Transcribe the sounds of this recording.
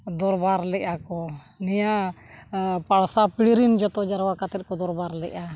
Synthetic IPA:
d̪ɔɾbaɾlɛʔakɔ | nija | paɽsapiɽiɾind͡ʒɔt̪ɔd͡ʒaɾwakat̪ɛt̪̚kɔd̪ɔɾbaɾlɛʔa

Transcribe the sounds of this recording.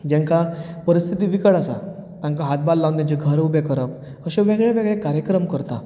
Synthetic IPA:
d͡ʑãŋkapəɾist̪ʰit̪iːʋikəɭasa̰t̪ãŋkaɦat̪̚balːãwd̪ãt͡ɕeɡʱəɾubekəɾəp | əɕẽʋeɡɭɛʋeɡɭekaɾjəkɾəmkəɾt̪a

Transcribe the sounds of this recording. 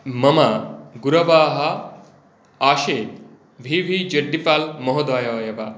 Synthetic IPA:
mɐmɐɡuɾɐʋaːɦɐ | aːʃeːt̪̚ | ʋʱiʋʱid͡ʒɐɖːipaːlmɐɦod̪aːjɐʋjɐʋa

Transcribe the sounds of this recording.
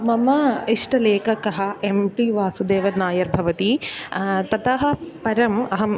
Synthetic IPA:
mɐmɐiʂʈɐleːkɐkɐɦɐemʈiʋaːsud̪eːʋɐnaːjɐɾbʱɐʋɐt̪i | t̪ɐt̪ɐɦɐ̆pɐɾɐmɐɦɐ

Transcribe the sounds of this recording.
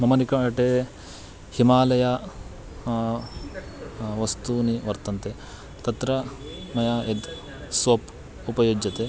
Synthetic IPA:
mɐmɐnikɐɐʈe | himaːlɐja | ʋɐst̪uniʋɐɾt̪ɐnt̪e | t̪ɐt̪ɾɐ | mɐjaːed̪ | sʋɐp | upɐjoːd͡ʒɐt̪e

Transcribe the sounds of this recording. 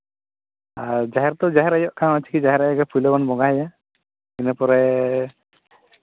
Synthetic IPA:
aɹd͡ʒaɦɛɾt̪ɔd͡ʒaɦɛɾajɔʔkʰãwat͡ʃʰi̥kid͡ʒaɦɛɾajɔɡɛpʰujlɔbanbɔɡaja | kinɛpɔɾɛ

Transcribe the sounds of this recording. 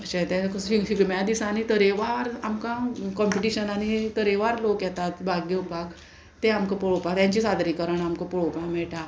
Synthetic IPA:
ət͡ɕat̪ɛ̃kifiɡmjad̪isañit̪əɾeʋaɾamkãkɔmpiʈiɕənanit̪əɾeʋaɾlokjɛt̪at̪bʱaɡiupak | t̪eamkəpɔɭopakt̪jãɲt͡ɕisad̪ɾikəɾəɳamkəpɔɭopãmɛɭʈa

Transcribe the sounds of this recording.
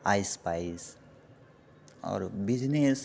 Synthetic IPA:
ajspajs | ɔ̰ɾbid͡ʒnes

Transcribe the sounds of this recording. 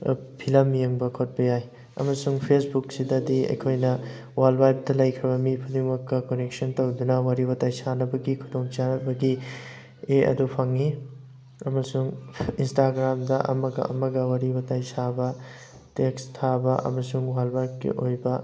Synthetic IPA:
pʰilɐmjeŋbɐkʰot̚bɐjaj | ɐ̰mɐsuŋpʰesbuksidɐdiɐ̰jkʰojnɐ | walbajp̚dɐlɐjkʰɾɐbɐmipʰudiŋmɐkːɐkonek̚sɐntowdunɐwɐɾibɐtajsanɐbɐɡikʰudoŋt͡ʃanɐbɐɡi | eɐ̰dupʰɐŋi | ɐmɐsuŋinstaɡɾamdɐʔɐ̰mɐɡɐ̰ɐ̰mɐɡɐwɐɾibɐtajsabɐ | tekstʰabɐʔɐ̰mɐsuŋwalbajp̚ɡḭʔojbɐ

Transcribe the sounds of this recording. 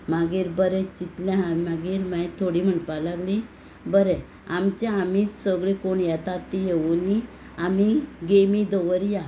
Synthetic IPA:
maɡiːɾbəɾɛt͡ɕit̪lãɦamaɡiːɾmaĩt̪ʰoɽiːm̤əɳpalaɡli | bəɾɛ | amt͡ɕãamiːt͡ssəɡɭekoɳjɛt̪at̪ːijeuni | amiɡemid̪oʋəɾja

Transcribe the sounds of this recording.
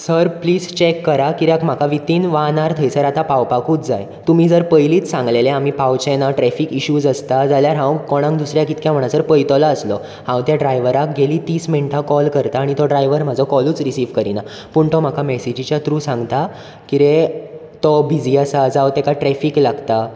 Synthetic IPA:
səɾpliːd͡zt͡ɕekːəɾakit̪eakm̤akʰaʋit̪iːnʋanaɾt̪ʰəjsəɾat̪apawpakuːt͡sd͡zaj | t̪um̤iːd͡zəɾpəjliːt͡ssãŋɡleleam̤iːpawt͡ɕɛnaʈɾɛfiːkiɕuːd͡zəst̪ad͡zaljaɾɦãwkɔɽ̃ãŋd̪usɾjakit̪kjãm̤əɳ̃asəɾpəjt̪ɔlaəslɔ | hãwt̪jaɖɾajʋəɾak̚ɡeliːt̪iːsmeɳʈʰakɔlkəɾt̪aːɽ̃it̪ɔɖɾajʋəɾm̤ad͡zʱɔkɔluːt͡sɾisiːʋkəɾina | puɳt̪ɔm̤akʰamɛsid͡ʑit͡ɕjat̪ɾuːsãŋɡt̪a | kiɾe | t̪ɔbʱid͡ziːəsad͡zawt̪ekaʈɾɛfiːklaɡt̪a

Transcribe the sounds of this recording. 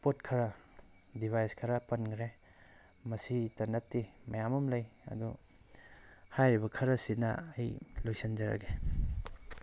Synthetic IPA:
potkʰɐɾɐ | dibʱajskʰɐɾɐpɐnkʰɾe | mɐsitɐnɐtːimɐjamumlɐjɐ̰du | hajɾibɐkʰɐɾɐsinɐ̰ɐjlojsind͡ʒɐɾɐ̰ɡe

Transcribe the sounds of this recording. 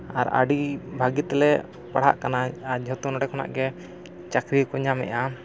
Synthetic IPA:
a̰ɾa̰ɖibʱaɡit̪ɛlɛʔ | paɽ̤a̰ʔkanaad͡ʒʱɔt̪unɔɽɛkʰɔna̰ʔɡɛ | t͡ʃakɾikɔɲamɛ̰ʔa

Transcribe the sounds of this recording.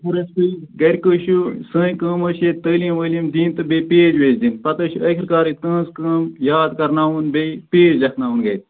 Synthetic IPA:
puɾɐspɨɡɐɾʲkəːʃusə̃ːjkə̃ːməːʃet̪əːlĩːʋəːlĩmd̪iːnt̪ɨbepeːd͡ʒʋeːd͡ʒd̪inpɐt̪əːʃuɐkʰiɾkaːɾit̪̚kə̃ːnskə̃ːmjaːd̪kɐɾnaːunbepeːd͡ʒlɐkʰnaːunɡɐt̪̚

